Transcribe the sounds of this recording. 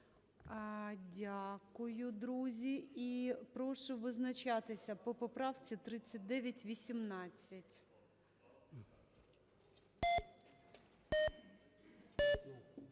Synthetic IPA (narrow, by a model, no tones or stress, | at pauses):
dʲakʊjʊd̪ɾuzʲiipɾɔʃʊʋɪznɐt͡ʃɑt̪ɪsʲɐpɔpɔpɾɑwt͡sʲit̪ɾɪt͡sʲːɐt̚ʲd̪ɛʋʲjɐtʲʋʲisʲimnɑt͡sʲːɐtʲ